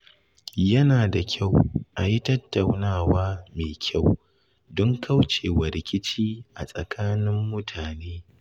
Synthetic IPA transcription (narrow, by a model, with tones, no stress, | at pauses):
jɐ˦naː˨da˨kʲʰa˦˨wʔa˨ji˦tɐ˦tːa˨wnaː˦˨waː˦meː˨kʲʰa˦˨w | dɔ˦ŋkʰa˦wt͡ʃeː˨wɐ˨ɾɪ˨kʲɪ˦t͡ʃiː˦ʔa̰˨sʼɐ˨kʰaː˦nɪ˦mːʊ˦tʰaː˨neː˦